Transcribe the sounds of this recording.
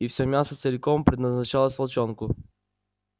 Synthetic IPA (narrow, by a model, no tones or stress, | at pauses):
ifsʲɔmʲjast̪ot̪sɛlikɔmpɾɛd̪nɐznat͡ʃaləsɐlˠt͡ʃɔŋkʊ